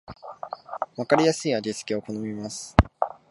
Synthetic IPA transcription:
βakaɾʲijasɨiːad͡ʑisɨ̥kʲio̞ko̞no̞mʲimasɨ̥

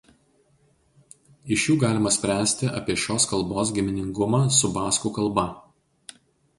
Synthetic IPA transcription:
ɪʃjuːɡɑːlʲɪmɐsʲpʲɾʲæːsʲt̪ʲɪʔɐ̰pʲiɛʃʲoːskɐlˠboːs̬ɡʲɪmʲɪnʲɪŋɡʊmɑːsʊbɑːskuːkɐlˠbɐ

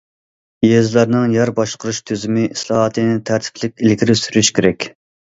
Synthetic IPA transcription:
jezlˠɑɾnɨŋjæɾbɑʃqəɾuʃt̪ʰøzɪmɪʔislˠɑɦɑt̪ʰɨnɪt̪ʰæɾt̪ʰɪ̥pʰlɪkʲilkʲʰiɾɪsyɾyʃkʲʰeɾɛkʲ

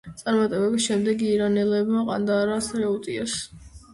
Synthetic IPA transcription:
t̪sʼaɾmat̪ʼɛbɛbisʃɛmd̪ɛɡiːɾanɛlɛbmaqʼa̰nd̪aːɾasɾɛut̪ʼias

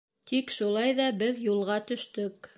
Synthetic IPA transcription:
t̪ʰikʃulˠɑjðɑbɘðjulˠʁɑt̪ɵ̆ʃt̪ɵk

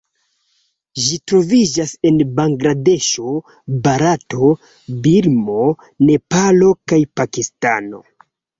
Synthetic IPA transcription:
ʒitɾo̞vid͡ʒase̞nbaŋɡɾade̞ʃo̞ | baɾato̞ | biɾmo̞ | ne̞palo̞kajpakistano̞̰

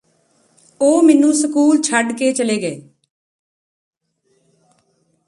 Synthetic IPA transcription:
oːmɪnũːsəkuːlt͡ʃʰəɖkeːt͡ʃəleːɡeː

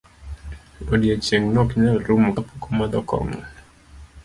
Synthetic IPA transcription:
odiet͡ʃeŋnɔkɲaɾumkapukɔmad̪ɔkɔ̰ŋɔ̰

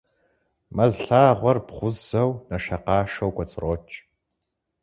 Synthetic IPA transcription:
mɐzɬaːʁʷɔrpχʷʊzɐwnɐʃɐqɑːʂɐwkʷʼɔt͡sʼrot͡ʃʼ

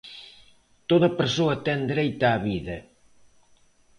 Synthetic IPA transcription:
t̪oðɐpeɾsoɐt̪ɛnd̪ɾejt̪aːβiðɐ

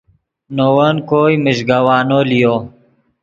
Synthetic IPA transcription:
nowɐnkoːimiɕɡawaːnolijoː

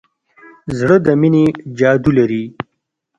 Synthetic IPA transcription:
zɽəd̪əmined͡ʒɑːd̪ulaɾi

